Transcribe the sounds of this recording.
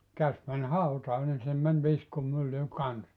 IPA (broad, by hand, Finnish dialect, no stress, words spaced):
kæs mæn hɑutɑː nin sinːem mæn ʋiskumylːy kɑns